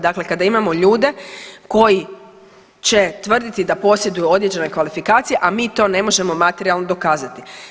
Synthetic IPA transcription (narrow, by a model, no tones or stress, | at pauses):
d̪akle̞kad̪aimamo̞ʎuːd̪e̞ko̞ji | t͡ɕe̞t̪ʋr̩d̪it̪id̪apo̞sjed̪ujuo̞d̪je̞d͡ʑe̞no̞kʋalifikaːt̪sije̞ʔamiːt̪o̞ːne̞mo̞ʒe̞mo̞mat̪eɾialˠnod̪o̞kaːzat̪i